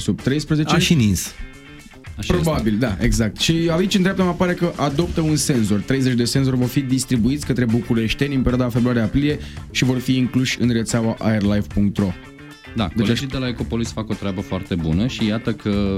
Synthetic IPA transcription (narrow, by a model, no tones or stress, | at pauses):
sub̚t̪ɾe̞jspɾəzet͡ʃeʃinins | aʃpɾo̞babild̪ae̞ɡzak̚t̪ʃiait͡ʃɨnt̪ɾap̚t̪əmapaɾe̞kəʔad̪o̞p̚t̪əunse̞nso̞rt̪ɾe̞jzet͡ʃd̪e̞se̞ns̬o̞rʲvo̞rfid̪ist̪ɾibuit̪sʲkət̪ɾe̞bukuɾe̞ʃt̪enʲɨmpe̞ɾjiad̪afebɾuaɾeapɾilije̞ʃivo̞rfiːŋkluʃʲɨnre̞t̪sawaʔaerlajvpuŋk̚t̪ro̞ | d̪a̰kd̪elt͡ʃed͡ʒid̪e̞laeko̞po̞lisfako̞t̪ɾʲeabəfoart̪e̞bṵnəʃijat̪əkʰə